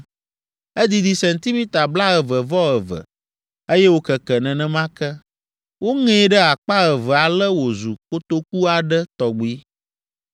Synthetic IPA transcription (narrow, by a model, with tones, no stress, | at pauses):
e˦d̪i˨d̪i˨sɛ˨nt̪i˦mĩ˦t̪a˨bla˦ɣə˨və˨vɔ˦ɣə˨və̰˨ | e˦jɛ˦wo˦kɛ˨kɛ˨nɛ̃˨nɛ̃˦mã˦kɛ˦ | wo˦ŋɛ̃˦˨˦ɖɛ˦a˨k͡pa˦ɣə˨və˨a˨lɛ˦wo˨zu˨ko˦t̪o˦ku˦a˨ɖɛ˦t̪ɔ˨ɡ͡bi˦